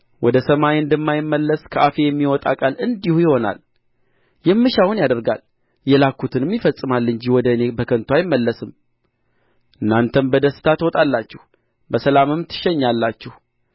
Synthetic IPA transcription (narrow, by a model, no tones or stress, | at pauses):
wɔd̪əsəmajɨnd̪əmːajɪmːəlːəskʰəʔafe̞jɛmːiwɔt̪ʼa̰kʼalɨnd̪ihujɪho̞na̰l | jɛmːɨʃawunjad̪əɾɡa̰l | jɛlakʰːut̪ʰɨnɨmjɪfəsʼɨmalːɨɲd͡ʒiwɔd̪əne̞bəkʰənt̪ʰwajɪmːəlːəsɨm | ʔɨnːant̪ʰənbəd̪əsɨ̥t̪ʰat̪wɔt̪ʼalːat͡ʃːɛh | bəsəlamɨmt̪ʰɨ̥ʃːɛɲːalːat͡ʃːɛh